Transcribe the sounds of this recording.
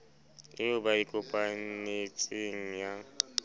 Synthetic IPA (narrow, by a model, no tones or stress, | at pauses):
ɪʊbaikʼʊpʼanet͡sʼeŋ̩ja